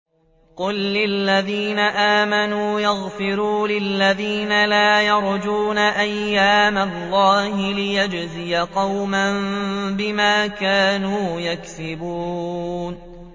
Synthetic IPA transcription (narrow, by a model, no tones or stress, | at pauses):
qʊlːɪlːaðiːnaʔaːmanuːjaɣfɪɾuːlɪlːaðiːnalaːjɑɾˤd͡ʒuːnaʔajːaːmalːɑːhɪlɪjad͡ʒzɪjaqɑwmamnbɪmaːkaːnuːjaksɪbuːn